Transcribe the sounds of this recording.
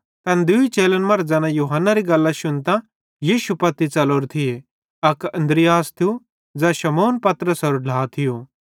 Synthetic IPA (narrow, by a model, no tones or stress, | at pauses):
t̪ɐ̃nd̪ʊit͡ʃeːlənmɐɾd͡zaːnãjuːɦənːaɾiɡɐlːãʃʊnt̪ã | jiːʃupɐt̪it͡sɐloːɾt̪ʰɪe | ɐkɐ̃nd̪ɾɪjaːst̪ʰiju | d͡zaʃɐmoːnpɐt̪ɾəsɔɾɖʱaːt̪ʰɪjo